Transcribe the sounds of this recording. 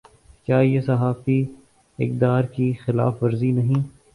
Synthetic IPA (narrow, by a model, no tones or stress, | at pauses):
kjaːjesɐɦaːfi | ɪ̰k̚d̪aːɾkixɪla̰ːfʋɐɾzinɐɦĩː